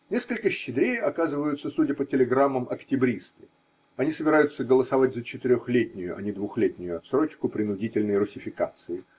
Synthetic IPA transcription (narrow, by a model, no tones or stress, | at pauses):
nʲe̞skəlʲkəɕːɪd̪ɾʲejɐkazɨvəjʊt̪səsudʲəpətʲɪlʲɪɡɾamːəmʔɐktʲɪbɾʲist̪ɨ | ɐnʲisəbʲɪɾajʊt̪səɡəlˠəsɐvat̚ʲzət͡ɕɪt̪ɪɾʲoxlʲetʲnʲɪjʊʔɐ̰nʲɪd̪vʊxlʲetʲnʲɪjʊɐt̪sɾo̞t͡ɕkʊpɾʲɪnʊdʲitʲɪlʲnəjrʊsʲɪfʲɪkat̪sɨɪ